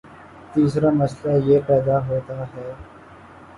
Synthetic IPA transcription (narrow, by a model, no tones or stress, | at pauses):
t̪iːsɾaːmɐslaːjeːpɛːd̪aːɦoːt̪aːɦɛː